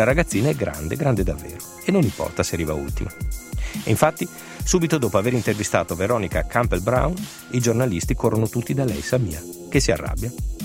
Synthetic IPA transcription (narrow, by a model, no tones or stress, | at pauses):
laɾaɡat̪sːiːnaɛɡɾa̰nd̪eɡɾand̪ed̪avːḛːɾo | enːonimpɔ̰rt̪aseɾiːva̰ṵlt̪ima | iɱfat̪ːi | suːbit̪od̪oːpoaveɾint̪ervist̪a̰ːt̪oveɾɔːnikakʰampelbɾa̰wn | id͡ʒornalist̪ikorːonot̪ut̪ːid̪alɛ̰jsamḭːakesiarːa̰bːja